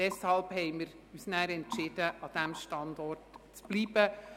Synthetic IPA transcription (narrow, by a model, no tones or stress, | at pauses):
dɛshɑlphɛɪmɪɾ | yːsnæːɾɛntʃɪd̥əʔɑd̪̥æmʃtɑndɔrtt͡sb̥liːbə